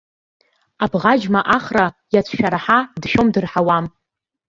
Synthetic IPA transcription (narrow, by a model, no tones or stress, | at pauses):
abʁad͡ʒmaʔaχrajat͡sʷʰʃᶣaɾaħadʃᶣomdɨrħawam